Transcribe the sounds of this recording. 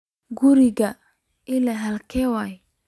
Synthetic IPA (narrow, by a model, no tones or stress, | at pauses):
ɡʊɾɪɣɐ | ʔɪlɐɦɐlkʰɛːwaːj